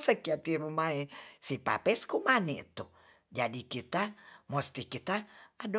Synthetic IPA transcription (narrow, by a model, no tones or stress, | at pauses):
səkiat̪iɾumaesipa̰pɛskumanit̪u | d͡ʒadikit̪amost̪ikit̪aːd